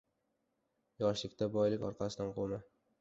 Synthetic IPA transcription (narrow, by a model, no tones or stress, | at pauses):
jɒʃlˠɪkʲt̪abɒjlˠɪkʲɒ̰ɾqʰɑsɪd̪anqʰoma